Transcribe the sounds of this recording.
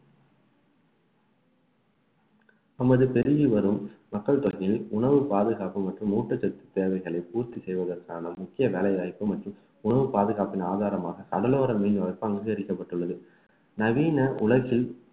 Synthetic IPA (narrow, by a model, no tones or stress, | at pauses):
ɐmɐðɯpɛɾɪjɯʋɐɾɯmːɐkːɐɭt̪ɔɣɪjɪlʊɳɐʋɯpaːðɯɣaːpɯmɐʈrɯmːuːʈːɐt͡ʃːɐt̪ːɯ̥t̪ːeːɾʋɐɪɣɐɭɐɪpuːɾt̪isɛjʋɐðɐɾkaːnɐmʊkːɪjɐʋeːlɐɪjaːɪpːɯmɐʈrɯm | ʊɳɐʋɯpaːðɯɣaːpɪnaːðaːɾɐmaːɣɐkɐɽɐloːɾɐmiːnɐːɐpːɯɐŋɡɯɣɐɾɪkːɐpːɐʈːɯɭːɐðɯ | nɐʋiːnɐʔʊɭɐɣɪl